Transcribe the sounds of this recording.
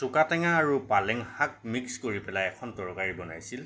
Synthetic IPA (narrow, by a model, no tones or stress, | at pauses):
sʊkatɛŋaːɹupalɛŋhak̚mikskoɹipɛlajɛkʰɔntɔɹkaɹibɔna̰jsil